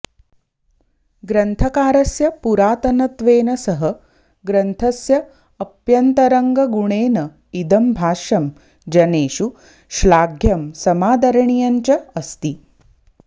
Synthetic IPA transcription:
ɡɾɐnt̪ʰɐkaːɾɐsjɐpuɾaːt̪ɐnɐt̪ʋeːnɐsɐɦɐ | ɡɾɐnt̪ʰɐsjɐː | pjɐnt̪ɐɾɐŋɡɐɡuɳeːnɐ | id̪ɐmbʱaːʃɐm | d͡ʒɐneːʃu | ʃlaːɡʱjɐmsɐmaːd̪ʱɐɾɐɳijɐɲt͡ʃɐɐst̪i

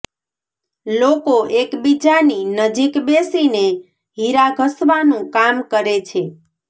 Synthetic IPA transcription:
lokoʔekbid͡ʒaninəd͡ʒikbesine | ɦiɾaɡʱəsʋanũkamkəɾet͡ʃʰe

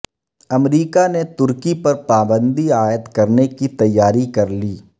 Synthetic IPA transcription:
ɐmɾiːkanet̪ʊɾkipɐɾpaːbə̃nd̪iaːjət̪kɐɾnekit̪ɐjːaːɾikɐɾliː

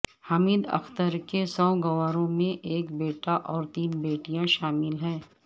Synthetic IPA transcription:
hɐmiːd̪ɐ̰xt̪əɾkesɔːɡɐwaːɾõmẽʔeːkbeːʈaʔɔːɾt̪iːnbeːʈijãʃaːmɪlɦɛ̃ː

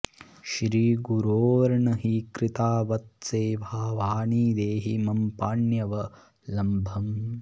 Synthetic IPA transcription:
ʃɾiːɡuɾoːɾɐɳɐɦikɾit̪aːʋɐt̪̚seːʋaːʋaːniːd̪eːɦimɐmpaːɳjɐʋɐ | lɐmbʱɐm

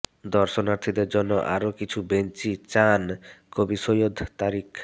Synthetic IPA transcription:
d̪ɔɾʃonaɾt̪ʰid̪eɾd͡ʑonːoʔa̰ɾokit͡ɕʰubent͡ɕit͡ɕankobisojod̪t̪aɾik

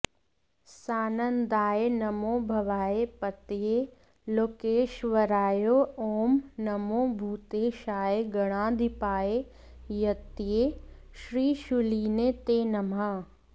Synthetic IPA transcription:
saːnənd̪aːenɐmõːbʱɐʋaːepɐt̪je | loːkeːʃʋɐɾaːjooːmnɐmõːbʱuːt̪eʃaːeɡɐɽ̃ãːd̪ʱɪpaːe | jɐt̪ije | ʃɾiːʃuliːnet̪eːnɐmãː

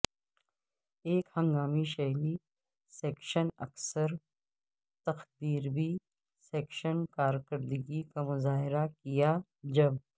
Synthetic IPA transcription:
eːkhɐ̃ŋɡaːmiʃɐɦli | sɛːkʃənɐ̰ksəɾ | t̪ɐxbiːɾbʱi | sɛːkʃənkaːɾkəɾd̪əɡikamʊzaːɦɪɾakija | d͡ʒɐb

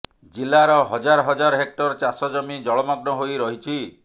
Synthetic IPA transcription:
d͡ʒilːaɾɔɦɔd͡ʒaɾɔɦɔd͡ʒaɾɔɦek̚ʈɔɾt͡ʃasɔd͡ʒɔmid͡ʒɔɭɔmɔɡnɔɦojɾɔɦit͡ʃʰi

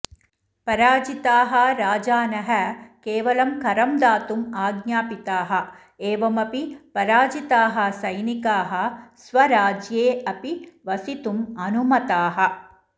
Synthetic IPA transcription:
pɐɾaːd͡ʒit̪aːɦɐ̆ɾaːd͡ʒaːnɐɦɐkeːʋɐlɐmkɐɾɐmd̪aːt̪umaːɡɲaːpit̪aːɦɐ | eːʋɐmɐpipɐɾaːd͡ʒit̪aːɦɐ̆sɐjnikaːɦɐ̆sʋɐɾaːd͡ʒjeːɐpiʋɐsit̪umɐnumɐt̪aːɦɐ

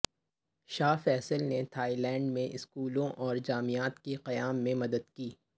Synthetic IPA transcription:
ʃaːfɛːsəlnet̪ʰaːilɛ̃ːɳɖmẽʔɪskuːlõʔɔːɾd͡ʒaːmijaːt̪keqɐjaːmːẽmɐd̪əd̪kiː

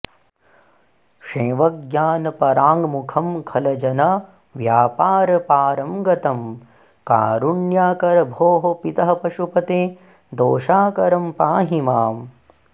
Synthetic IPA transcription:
ʂẽːʋɐɡjaːnɐpɐɾaːŋɡmukʰɐmkʰɐlɐd͡ʒɐnɐ | ʋjaːpaːɾɐpaːɾɐmɡɐt̪ɐm | ka̰ːɾuɳjaːkɐɾɐbʱoːɦopit̪ɐɦɐpɐʃupɐt̪eː | d̪oːʃaːkɐɾɐmpaːɦimaːm

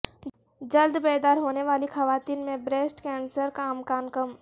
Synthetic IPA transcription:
d͡ʒəld̪beːd̪aːɾɦoːneʋaːlixɐʋaːt̪iːnmẽbɾeːsʈkɛːnsəɾkaːmkaːnkəm

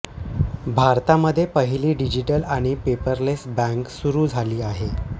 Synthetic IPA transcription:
bʱaɾt̪aməd̪ʱːjepəɦiliːɖid͡ʑiʈəlaɽ̃ipepəɾlesbæ̃ŋksuɾuːd͡zʱaliːaɦe

